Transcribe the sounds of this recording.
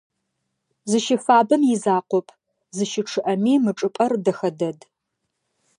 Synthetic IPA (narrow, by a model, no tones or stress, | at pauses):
zɨʃɪfaːbɨmjɪzaːqʷɔpʼʰ | zɨʃɪʈ͡ʂʰɨʔɐmiːmɨʈ͡ʂʼɨpʼɐrdɐxɐdɐd